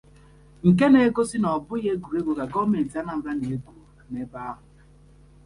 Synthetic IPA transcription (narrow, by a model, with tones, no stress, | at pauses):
ŋ̩˨k̬e˦ne˨˦ɡo˦si˦nɔ˨bʊ˦je˦ɡu˨ɾe˦ɡʷo˨ɡa˨ɡɔ˦me˨n̩˨ti˨˦a˦na˨m̩˨ba˦ne˨ɡʷu˦˨ne˨˦ba˦ɦʊ˨